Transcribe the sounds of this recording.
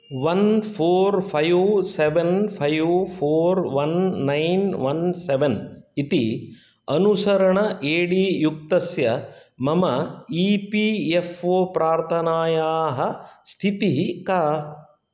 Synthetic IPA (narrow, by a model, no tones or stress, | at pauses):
ʋɐnpʰoːɾpʰɐjseʋenpʰɐjʋpʰoːɾʋɐnːɐjnʋɐnseʋenit̪i | ɐnusɐɾɐɳɐʔeːɽiːjuk̚t̪ɐsjɐ | mɐmɐiːpiefoːpɾaːɾt̪ʰɐnaːjaːɦɐst̪ʰit̪iɦikaː